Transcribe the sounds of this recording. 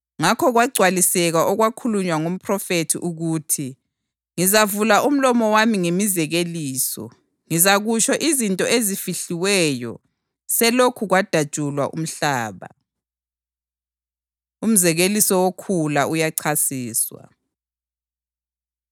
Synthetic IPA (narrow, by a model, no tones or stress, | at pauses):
ŋakʰɔɣwaɡ͡ǀʱwalisɛɣaʔɔɣwakʰuluɲwaŋum̩pʰrɔfetʰḭʔuɣuːtʰi | ŋizavulaʔum̩lɔmɔwamiŋemizɛɣeliːsɔ̰ | ŋizaɣut͡ʃʰɔʔizintʼɔezifiɬiwɛjɔ̰ | sɛlokʰuɣwad̥ʱḁʒ̥ʼʱulwa̰ʔṵm̩ɬaːβa̰ | um̩zɛɣelisɔwokʰulaujaǀʰasiːswa̰